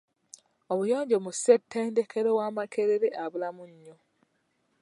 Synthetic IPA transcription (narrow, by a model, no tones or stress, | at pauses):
oβujoːɲɟomusetʰːeːndekʰeɾewamakeɾeɾeʔaβulamuɲːo